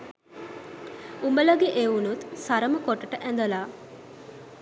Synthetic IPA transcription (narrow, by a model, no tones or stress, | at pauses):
umbələɡeʔeunut̪saɾəməkoʈəʈəʔænd̪əlaː